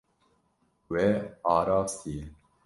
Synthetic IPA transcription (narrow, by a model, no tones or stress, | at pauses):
wɛːɑːɾɑːfsi